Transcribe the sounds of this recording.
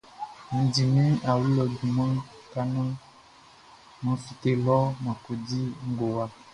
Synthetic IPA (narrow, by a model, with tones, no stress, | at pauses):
n̩˨di˨mĩ˦a˨wu˦lɔ˨du˨mã˦ | ka˦nã˦ | nɔ̃˨fi˨t̪e˦lɔ˦mã˨ko˨di˦ŋ̩˦ɡo˨wa˦